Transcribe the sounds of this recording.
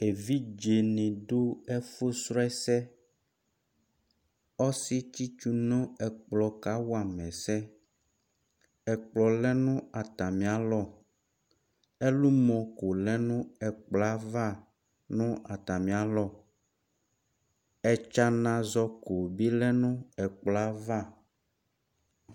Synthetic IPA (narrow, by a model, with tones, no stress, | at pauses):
e˨vi˦d͡ʒe˨nĩ˨ɖo˦ɛ˦fo˦sɾɔ˦ɛ˦sɛ˦ | ɔ˦si˦t͡ɕi˦t͡ʃu˦nɔ̃˦ɛ˨k͡plɔ˨ka˦wɔ˦a˨mɛ̃˨sɛ˦ | ɛ˨k͡plɔ˨lɛ˦nũ˦a˨t̪a˨mĩ˨a˨lɔ˦˨ | e˦lu˦mɔ̃˨ko˨lɛ˦nũ˦ɛ˨k͡pla˦va˦ | nũ˦ʔa˨t̪a˨mĩ˨˦a˨˦lɔ˦˨ | ɛ˨t͡ʃa˦nã˨zɔ˦ko˨bi˦lɛ˦nũ˦ɛ˨k͡pla˦va˦˨